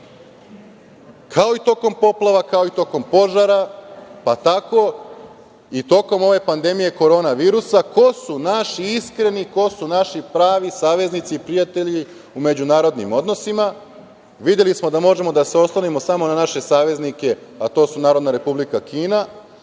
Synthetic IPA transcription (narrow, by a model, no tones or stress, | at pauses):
kʰao̞it̪o̞ko̞mpo̞plˠaʋakao̞it̪o̞ko̞mpo̞ʒaɾapat̪ako̞ | it̪o̞ko̞mo̞ʋe̞pand̪e̞mije̞ko̞ɾo̞ːnaʋiːɾusako̞sunaʃiiskɾe̞niko̞sunaʃipɾaːʋisaːʋe̞znit̪siːpɾijat̪e̞ʎi | ume̞d͡ʑunaːɾo̞d̪nimo̞d̪no̞sima | ʋid̪je̞lismo̞d̪amo̞ʒe̞mo̞d̪aseo̞slˠonimo̞samo̞nanaʃe̞saːʋe̞znike̞at̪o̞ːsunaːɾo̞d̪naɾe̞publikakiːna